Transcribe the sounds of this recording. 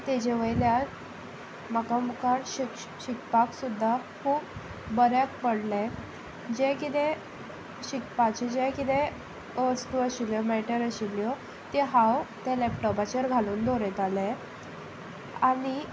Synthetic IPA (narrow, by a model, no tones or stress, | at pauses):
t̪ed͡ʑeʋəjlja | makamukaɾɕik | ɕikpaksud̪ʱːakʰuːp | bəɾjak̚pəɽlɛ̃ | d͡ʑɛkit̪ẽ | ɕikpat͡ɕid͡ʑɛkit̪ẽ | əstuəɕiljɔmɛʈəɾəɕiljɔ | t̪eɦãwt̪alapʈəbat͡ɕəɾɡʱaluːnd̪ʱoɾɛt̪alɛ | ani